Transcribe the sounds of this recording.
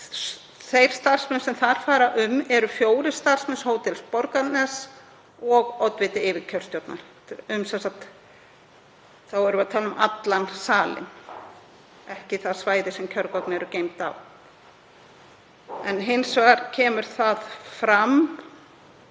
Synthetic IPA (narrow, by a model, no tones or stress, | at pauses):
θejɾ̥st̪ar̥smɛnsɛmθaɾ̥faːɾaʔʏmɛɾʏfjoːwɾɪst̪ar̥smɛnshoːwt̪ɪlspɔɾkat̪nɛs | ɔɣɔwt̪vɪːt̪ɪɪːvɪcʰœɾ̥st̪jowt̪na̰ɾ̥ | ʏmsɛnsak̚t̪ | θawɛɾʏaðt̪ʰaːlʏmʔa̰t̪lansaːlɪ̰n | ɛhcɪθḁsvaːjðɪsɛmcʰœɾkɔknɪɛɾʏcejmt̪a̰v | ɛnɦɪnsvaːɾcʰɛːmʏɾ̥θaðfɾam